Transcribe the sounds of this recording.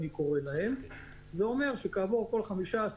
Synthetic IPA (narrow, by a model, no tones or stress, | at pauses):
niko̞ʁelaɦe̞m | zeo̞me̞ʁʃe̞kaːvoʁko̞lχamiʃaːs